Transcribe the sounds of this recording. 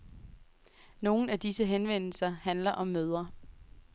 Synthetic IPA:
no̝ːn̩æd̥isəɦenʋen̰l̩sɐhænlɐʔɒ̽mːøð̞ˠɐ

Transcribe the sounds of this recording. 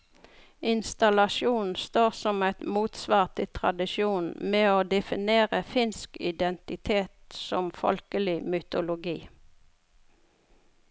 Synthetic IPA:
ɪnst̪ɑlɑʃuːnn̩st̪oːʁsɔmæɪt̪muːt̪sʋɑːʁt̪ʰɪt̪ʰʁɑ̰d̪ɪʃjuːnmeːoːd̪ɛfɪneːʁəfɪnskɪd̪ɛnt̪ɪt̪ʰeːt̪sɔmfɔ̰lkəlɪmʏt̪ʊlʊɡiː

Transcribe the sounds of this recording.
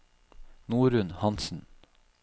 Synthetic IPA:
nuːɾʉnhɑnsn̩

